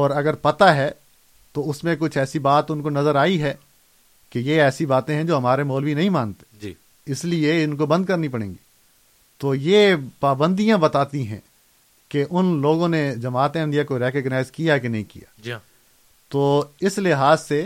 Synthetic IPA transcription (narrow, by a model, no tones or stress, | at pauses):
ɔːɾɐɡəɾpɐt̪aɦɛ | t̪oʊsmẽk̬ʊt͡ʃʰɛːsibaːt̪ʊnkonɐzəɾaːiɦɛː | kejeɛːsibaːt̪ẽɦɛ̃d͡ʒoːɦɐmaːɾemɔːlʋinɐɦĩmãːnt̪e̥d͡ʒi | ɪslieɪnkobɐ̃nd̪̚kɐɾnipɐɽ̃ḛ̃ːŋɡiː | t̪oːjepaːbə̃nd̪ijãbɐt̪aːt̪ĩɦɛ̰̃ | keʔʊnloːɡõned͡ʒɐmaːt̪ẽɪ̃nd̪ijakoɾɛːkəɡnaːɪzkijakenɐɦĩkḭja̰ː | t̪oːɪslɪɦaːzse